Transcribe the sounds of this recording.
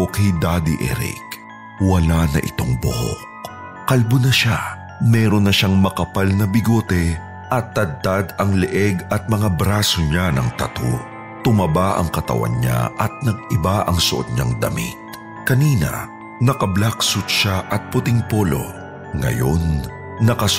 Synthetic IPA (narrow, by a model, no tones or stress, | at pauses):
okɛjd̪ad̪iʔɛ̰ɾḭk | wɐlanɐʔɪ̰t̪o̞ŋbʊhok | kɐlbʊnɐʃa | mɛːɾo̞nːɐʃaŋmɐkɐpalnɐbɪɡo̞ːt̪ɛ | ʔɐt̪ːɐd̪̚t̪ad̪ɐŋlɛʔɛɡɐt̪̚mɐŋabɾasoɲanɐŋt̪ɐt̪o̰ | t̪ʊmɐbaʔɐ̰ŋkɐt̪ɐ̰wa̰nɲa̰ʔɐt̪̚nɐɡ̚ɪbaʔɐŋsoʔod̪̚ɲaŋd̪ɐmḭt̪̚ | kɐniːnɐ̰ | nɐkɐblaksʊt̪̚ʃaʔɐt̪̚pʊt̪iŋpo̞ːlo̞̰ | ŋɐ̰jo̞nː | ɐkɐ